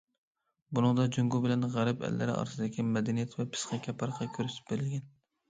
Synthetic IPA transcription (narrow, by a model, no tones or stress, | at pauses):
bunɨŋd̪ɑd͡ʒuŋɡubɪlɛnʁæɾɛpɛ̰lːæ̰ɾɪ̰ɑ̰ɾsɨd̪ɪkʲimɛd̪ɛnijɛt̪ʰvɛpʰɨ̥sqɑkʲʰɛpʰɑɾqʰɑkʲʰøɾyt̪ɪ̥p̚beɾɪlɡʲɛn